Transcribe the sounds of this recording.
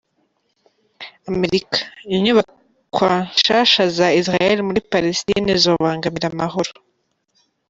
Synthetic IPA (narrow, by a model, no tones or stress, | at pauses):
ame̞ɾikḁjiɲuβa | kwaʃaʃazaisɾajeɾimuɾipalestḭnizoβaːŋɡamiɾamaɦoɾo